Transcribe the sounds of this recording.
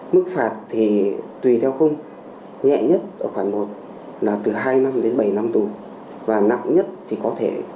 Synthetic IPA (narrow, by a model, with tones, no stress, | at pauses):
mɨ˦˥k̚faː˧˨˩t̚t̪ʰi˨˩t̪wi˨˩t̪ʰɛ˧wxə˧wŋ͡m | ɲɛ̰˧˨ɲə˦˥t̚ʔəː˧˩xwaː˧˩nmo˨˩t̚ | laː˨˩t̪ɨ˨˩ɦaː˧jna˧mɗe˨˦nɓə˧˩jna˧mt̪u˨˩ | vaː˨˩na̰˧˨ŋɲə˦˥t̚t̪ʰi˨˩kɔ˨˦t̪ʰe˧˩